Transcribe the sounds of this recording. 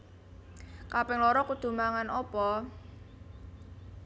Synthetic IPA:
kapɛŋlɔɾɔkud̪̥ṳmaŋanɔpɔ

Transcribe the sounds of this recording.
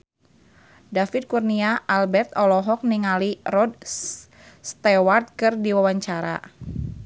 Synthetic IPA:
dafid̪̚kurniaʔalbɛrt̪ɔlɔɦɔk̚niŋalirɔd | st̪ɛwart̪̚kɨrdiwawaɲt͡ʃaɾa̰

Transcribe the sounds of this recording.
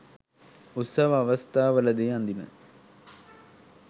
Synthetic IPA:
ut̪sɐʋəːʋɐst̪aːʋələd̪eːand̪imə̰

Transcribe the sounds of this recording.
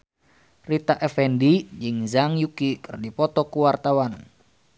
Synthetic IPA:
rit̪aʔɛfɛndid͡ʒɨŋzaŋjukikɨrdipɔt̪ɔkuwart̪awan

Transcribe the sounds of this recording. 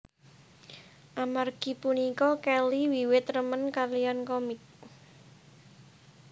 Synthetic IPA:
ʔamarɡ̥i̤punikɔkɛliwiwɪt̪rəmənkarlijankɔmɪk̚

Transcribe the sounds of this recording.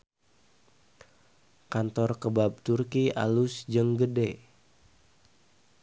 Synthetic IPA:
kant̪ɔrkəbab̚t̪urkia̰lusd͡ʒəŋɡəde

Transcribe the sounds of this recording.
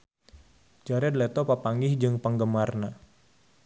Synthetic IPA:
d͡ʒaɾɛd̪lɛt̪ɔpapaŋɡɪhd͡ʒɨŋpəŋɡəmarna

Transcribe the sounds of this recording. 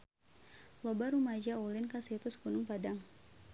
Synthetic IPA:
lɔbaɾumad͡ʒaulinkasit̪usə̥kunʊŋpadaŋ

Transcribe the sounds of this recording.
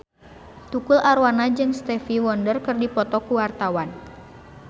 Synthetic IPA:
t̪ukulaɾwanad͡ʒɨŋst̪ɛfiwɔndərkɨrdipɔt̪ɔkuwart̪awan

